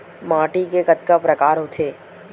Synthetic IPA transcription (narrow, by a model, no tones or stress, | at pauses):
maːʈikekɐt̪kapɾɐkaːɾɦot̪ʰeː